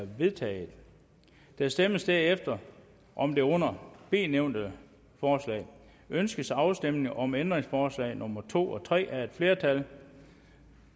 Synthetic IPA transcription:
ʋe̝ðˠt͡sʰɛ̰ːð̩ˠ | d̥æsd̥eməsd̥æɐefd̥ɐ | ʔɒ̽md̥e̝ɔ̽n̰ɐb̥e̝̰ːneʊ̰nd̥ə | fɒːslɛ̰ːɪ | ønsɡ̥əsɑ̈ʊsd̥em̰ne̝ŋɒ̽mend̥ʁeŋsfɒːslɛ̰ɪnɔ̽mɐt͡sʰo̝̰ːɒ̽t͡sʰʁɛ̰ːʔæɐe̝d̥fle̝ːɐt͡sʰæl

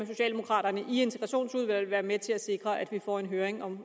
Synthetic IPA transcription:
æs̬o̝ɕɛ̰ːldemo̝kʰʁɑ̰̈ːɾ̥ɐnəʔie̝nt͡sʰeɡ̥ʁɑ̈ɕo̝̰ːnsuð̞ˠʋæl̰ʋæːɐmet͡sʰe̝læse̝ɡ̥ʁɐʔæd̥ʋifɒ̰e̝nɦøːɐʁeŋɒ̽m

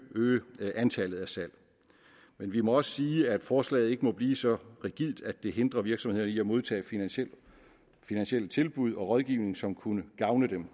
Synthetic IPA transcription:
øːʔænt͡sʰælð̞̩ˠæsæl̰ | menʋimɒ̽ɒ̽sə̥siːæd̥fɒːslɛ̰ːð̩ˠe̝ɡ̥əmɒ̽b̥liːsɒ̽ʁiɡ̥ið̰ˠd̥æd̥d̥e̝ɦe̝nd̥ʁɐʋiɐɡ̥sɒmhe̝ð̞̰ˠɐnəiæmo̝ð̞ˠt͡sʰɛ̰ː | finænsɕiel̰t͡sʰe̝lb̥uð̞ˠɒ̽ʁɒ̽ð̞ˠɡ̥iːʊne̝ŋ̩sɒ̽mkʰunəɡ̥ɑ̈ʊnəd̥em

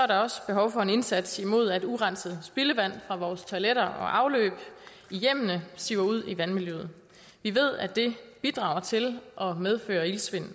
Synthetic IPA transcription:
sɒ̽æɐɾ̥ɑ̈ɒ̽sb̥e̝ɦɒʊfɒ̽e̝ne̝nsæd̥simo̝ð̞̰ˠæd̥uʁɑn̰səð̩ˠsb̥iləʋæn̰fʁɑ̈ʋɒːst͡sʰoleɾ̥ɐɒ̽ʔɑ̈ʊlø̰ːb̥ | ijem̰nəsiʊɐuð̞̰ˠiʋænmiljøð̩ˠ | ʋiʋe̝ð̞̰ˠæd̥e̝b̥id̥ʁɑ̈ʊɐt͡sʰe̝lʔɒ̽með̞ˠfø̰ːɐilsʋe̝n̰n̩

